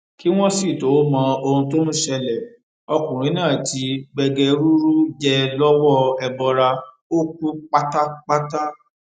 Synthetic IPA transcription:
ki˦w̃ɔ̃˦si˦˨to˨˦mɔ̃˧o˧hũ˧to˦nũ˦ʃɛ˧lɛ˨ | ɔ˧kũ˨ɾ̃ĩ˨˦nãː˦˨ti˨˧˦ɡ͡bɛ˧ɡɛ˧ɾu˦ɾu˦d͡ʒɛ˧lɔ˦wɔ˦ɛ˧bɔ˧ɾa˧ | o˦ku˦k͡pa˦ta˦k͡pa˦ta˦

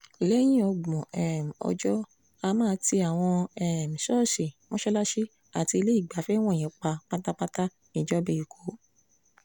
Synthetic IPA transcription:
i˨le˦j̃ĩ˦ɔ˧ɡ͡bɔ̃˨ʔɛ˨m̩˨ɔ̰˧d͡ʒɔ˦ | a˧mãː˦ti˧a˨w̃ɔ̃˧ɛ˨m̩˨ʃɔ˦˨ʃi˨mɔ̃˦ʃɛ˦la˦ʃi˦ | a˨ti˧i˧le˦i˦˨ɡ͡ba˨˦fɛ˦w̃ɔ̃˦˨ɛ̃˨˦k͡pa˧k͡pa˦ta˦k͡pa˦ta˦ | nĩ˨d͡ʒɔ˦be˦i˨kʰo˨˦

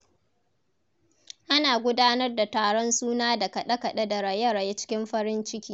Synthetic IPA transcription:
ʔa˦naː˨ɡʷʊ˦daː˦nɐ˦rda˨taː˨ɽɔ˦nsuː˦naː˦da˨kɐ˨ɗɐ˦kɐ˨ɗe˦da˨ɾɐ˨jɐ˦ɾɐ˨je˦t͡ʃɪ̥˦kʲɪ˦mɸɐ˦ɽɪ˦nt͡ʃɪ˦kʲiː˦

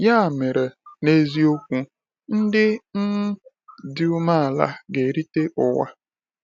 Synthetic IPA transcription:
ja˦˨me˨ɾe˨ne˦zi˦o˦kʷu˦ | n̩˦dɪ˦n̩˦ | dɪ˦u˦ma˦a˨la̰˦ɡe˨ɾi˦te˦ʔʊ˨wa̰˦

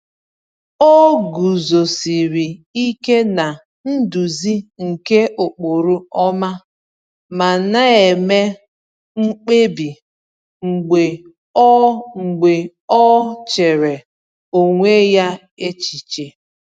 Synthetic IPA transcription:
o˦ɡu˨zo˨si˨ɾi˨i˦ke˦na˨ | n̩˦du˨zi˦ŋ̩˨ke˦ʔo˨k͡po˨ɾu˦ɔ˦ma˦ | ma˨na˦e˨me˦ | ŋ͡m̩˦k͡pe˦bi˨ | ŋ͡m̩˨ɡ͡be˨ | ɔ˦ŋ͡m̩˨ɡ͡be˨ | ɔ˦t͡ʃe˨ɾe˨ | o˨ŋʷe˦ja˦ | e˦t͡ʃi˨t͡ʃe˨

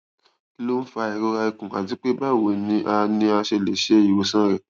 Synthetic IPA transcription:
i˦lo˦n̩˦fa˧i˨ɾo˧ɾa˧i˧kũ˨a˨ti˨˦k͡pe˦ba˦˨wo˨nĩ˧˦ʔa˧nĩ˧a˧ʃe˧˨le˨ʃe˦˨ji˨wo˧sã˦ɾɛ˨

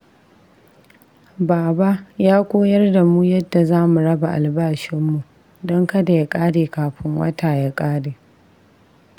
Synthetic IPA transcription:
baː˨ba˦jaː˦kʷoː˦jɐ˦rda˨muː˦jɐ˦dːa˨zaː˦mu˨ɽɐ˦ba˨ʔa˨lbaː˦ʃɪ˦mːu˨ | dɔ˦ŋkɐ˦da˨ja˨kʼaː˦deː˨kaː˨ɸɪ˦ŋwɐ̰˦taː˨ja˦kʼaː˦deː˨

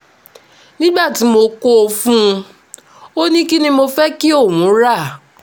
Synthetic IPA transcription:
nĩ˦ɡ͡ba˦˨ti˨˦mo˨ko˦o˧fũ˦˧ | o˦nĩ˦ki˦nĩ˦mo˧fɛ˦ki˦o˦˨ŋũ˨˦ɾa˦˨

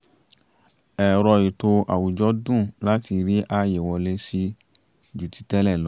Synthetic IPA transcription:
ɛ˨ɾɔ˧i˨to˧ʔa̰˨wu˨d͡ʒɔ˦dũ˦˨la˦ti˧ɾi˦ʔa˧je˨wɔ˧le˦si˧ | d͡ʒu˨ti̥˨˦tɛ˦lɛ˦˨lɔ˨˦

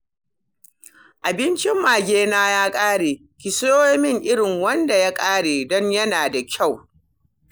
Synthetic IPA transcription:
ʔa˨bɪ˦nt͡ʃɪ˦mːaː˨ɡʲeː˦naː˦jaː˦kʼaː˦ɽeː˨ | kʲɪ˨soː˦jmɪ˦ŋʔɪ˦ɽɪ˨ŋwɐ˦nda˨ja˦kʼaː˦ɽeː˨dɔ˦ɲjɐ˦naː˨da˨kʲʰa˦˨w

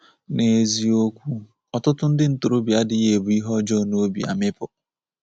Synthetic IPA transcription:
ne˨zi˦o˦kʷu˦ | ɔ˨tʊ˦tʊ˦n̩˦dɪ˦n̩˦tʊ˨ɾo˦bja˦dɪ˨je˨bu˨i˦ɦɔ˦d͡ʒɔ˦˨no˦bḭ˨a̰˨mɪ˦pʊ˨

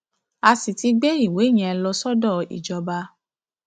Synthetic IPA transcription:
a˧si˨ti˧˦ɡ͡be˦i˦˨we˨˦˨j̃ɛ̃˨˧lɔ˧sɔ˦dɔ˦˨ḭ˨d͡ʒɔ˨˧ba˧

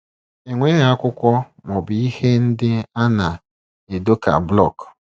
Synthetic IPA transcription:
e˨ŋʷe˦ja˦kʷʊ˦kʷɔ˦ | mɔ˨bi˨i˦he˦n̩˦dɪ˦a˦na˨ | e˨do˦ka̰˨blɔ̰˦˨k

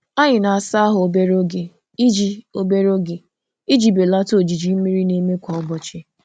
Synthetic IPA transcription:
a˦ɲɪ˨na˨a˨sa˦a˦ɦʊ˨o˨be˦ɾo˦ɡe˨ | i˦d͡ʒi˦o˦be˦ɾo˦ɡe˨ | i˦d͡ʒi˨be˨la˦to˦˨d͡ʒi˨d͡ʒi˨m̩˦mi˦ɾi˦ne˦me˦kʷɔ˨ʊ˦bɔ˨t͡ʃɪ˦

